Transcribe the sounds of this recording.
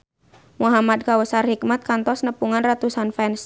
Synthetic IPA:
muɦamad̚kawəsarhik̚mat̪̚kant̪ɔsnəpuŋanrat̪usanfɛns

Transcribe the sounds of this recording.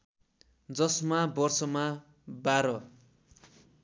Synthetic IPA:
d͡zʌsmabʌrsʌma | baɾʌ

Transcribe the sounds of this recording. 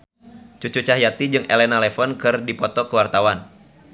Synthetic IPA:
t͡ʃut͡ʃut͡ʃahɦjat̪id͡ʒɨŋʔḛlɛnalɛfɔnkɨrdipɔt̪ɔkəwart̪awan

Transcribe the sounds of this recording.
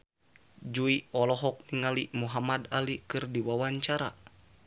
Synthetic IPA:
d͡ʒuiɔlɔɦɔk̚niŋalimuɦamadalikɨrdiwawaɲt͡ʃaɾa̰

